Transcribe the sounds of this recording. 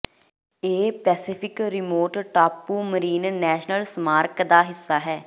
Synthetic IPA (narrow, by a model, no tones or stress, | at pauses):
eːpɛːsɪpʰɪkɾɪmoːʈʈaːpːuːməɾiːnnɛːʃnəlsmaːɾkd̪aːɦɪsːaːɦɛː